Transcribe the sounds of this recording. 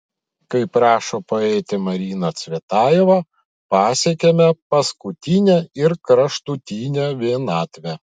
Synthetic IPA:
kɐɪpɾɑːʃoːpɐɛɪt̪ʲɪmɐɾʲiːnɐt̪sʲʋʲet̪ɑːjoːʋɐ | pɑːsʲɛkʲemʲɛpɐskʊt̪ʲinʲɛɪɾkɾɐʃt̪ut̪ʲiːnʲɛʋʲinɑːt̪ʲʋʲɛ

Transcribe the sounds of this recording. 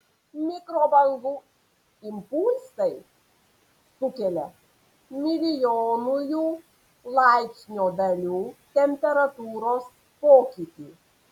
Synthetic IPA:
mʲɪkɾoːbɐŋɡuː | ɪmpulʲsɐɪ | sʊkʲɛlʲɛ | mʲɪlʲɪjoːnʊjuː | lˠɑɪksʲnʲoːd̪ɐlʲuːt̪ʲɛmʲpʲɛɾɐt̪uːɾoːs | poːkʲiːt̪ʲiː

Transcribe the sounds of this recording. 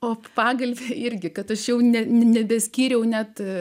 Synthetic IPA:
oːpɑːɡɐlʲbʲeːɪɾʲɡʲɪkɐt̪ɐʃjɛʊnʲɛnʲnʲɛbʲɛsʲkʲiːɾʲɛʊnʲæt̪

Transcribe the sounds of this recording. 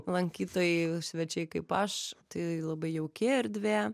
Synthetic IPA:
lˠɐŋʲkʲiːt̪oːjɛsʲʋʲɛt͡ʃʲɛɪkɐɪpɐʃt̪ɐɪlˠɐbɐɪjɛʊkʲeɐɾʲd̪ʲʋʲeː

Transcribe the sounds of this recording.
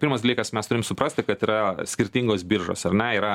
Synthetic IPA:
pʲːɾmɐsd̪ɐlʲiːkɐsmʲɛst̪ʊɾʲɪmsʊpɾɐsʲt̪ʲɪkɐt̪iːɾɐsʲkʲɪɾʲt̪ʲiːŋɡoːsbʲiːɾʒo̰ːsɐɾnʲɛiːɾɐ

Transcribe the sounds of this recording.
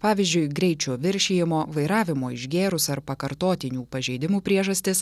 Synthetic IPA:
pɑːʋʲɪzʲd͡ʒʲʊɪɡɾʲɛɪt͡ʃʲoːʋʲɪɾʲʃʲeːjɪmoːʋɐɪɾɑːʋʲɪmoːɪ̰ʒʲɡʲeːɾʊsɐɾpɐkɐɾt̪oːt̪ʲɪnʲuːpɐʒʲɛɪd̪ʲɪmuːpʲɾʲiɛʒɐsʲt̪ʲɪs

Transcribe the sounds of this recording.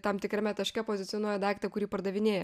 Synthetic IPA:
t̪ɐmt̪ʲɪkɾʲɛmʲɛt̪ɐʃʲkʲɛpoːzʲɪtt͡s̪ʲɪjonoːjɛd̪ɑˑɪkt̪ɐkʊɾʲiːpɐɾd̪ɐʋʲɪnʲeːjɛ

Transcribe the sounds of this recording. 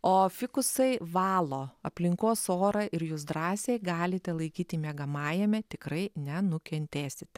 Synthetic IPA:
oːfʲɪkʊsɐɪʋɑːlˠoːɐpʲlʲɪŋkoːsoːɾɐʔɪɾjuːsd̪ɾɑːsʲeːjɡɑːlʲɪt̪ʲɛlˠɐɪkʲiːt̪ʲɪmʲeːɡɐmɑːjɛmʲɛt̪ʲɪkɾɐɪnʲɛnʊkʲɛnʲt̪ʲeːsʲɪt̪ʲɛ

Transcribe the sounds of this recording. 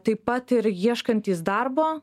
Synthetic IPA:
t̪ɐɪpɐt̪ɪɾiɛʃkɐnʲt̪ʲiːsd̪ɐɾboː

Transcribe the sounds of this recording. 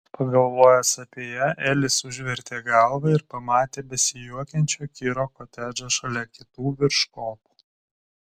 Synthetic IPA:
pɐɡɐlˠʋoːjɛsɐpʲeɛːjɛʔɛːlʲɪsʊʒʲʋʲɛɾʲt̪ʲeːɡɐlˠʋɐɪɾpɐmɑːt̪ʲeːbʲɛsʲɪjuɔkʲɛnʲt͡ʃʲoːkʲiːɾoːkoːt̪ʲæːd͡ʒoːʃɐlʲɛkʲɪt̪uːʋʲɪɾʃkoːpu̥ː

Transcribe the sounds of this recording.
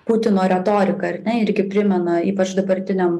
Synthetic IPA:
pʊt̪ʲɪnoːɾʲɛt̪oːɾʲɪkɐɐɾʲnʲɛɪɾʲɡʲɪpʲɾʲɪmʲɛnɐiːpɐt͡ʃd̪ɐbɐɾʲt̪ʲɪnʲɛm

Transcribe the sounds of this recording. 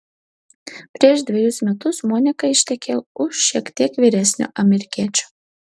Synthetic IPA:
pʲɾʲiɛʃd̪ʲʋʲɪjʊsmʲɛt̪ʊsmoːnʲɪkɐɪʃʲt̪ʲɛkʲʰeːʊʃːʲiɛkt̪ʲiɛkʋʲiːɾʲæsʲnʲʊ̰ʔɐmʲɛɾʲɪkʲiɛt͡ʃʲu̥

